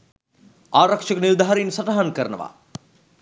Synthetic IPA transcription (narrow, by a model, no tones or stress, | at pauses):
aːɾɐkʂəkənild̪ʱaɦaɾinsɐʈaɦankəɾənə̰ʋa̰